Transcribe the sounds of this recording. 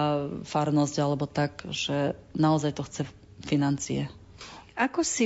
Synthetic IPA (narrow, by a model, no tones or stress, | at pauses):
faɾnɔzɟalɛbɔt̪aɡʒ̥ɛnaɔzajt̪ɔxt͡sɛ | finant͡siɛ | akɔsi